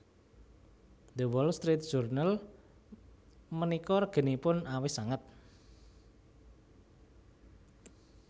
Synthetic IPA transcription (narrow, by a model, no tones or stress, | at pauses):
d̪əwɔlst̪ɾit̪̚d̥ʒ̥urnal | mənikɔrɡ̥ə̤nipʊnawɪhsaŋət̪̚